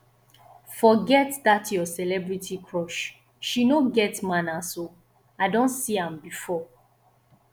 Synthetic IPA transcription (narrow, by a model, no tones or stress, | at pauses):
fɔɡɛtdatʰjɔsɛlɛbɹitʰikʰɹɔʃ | ʃinoɡɛtmãnaso | aɪdõntsiãmbifɔ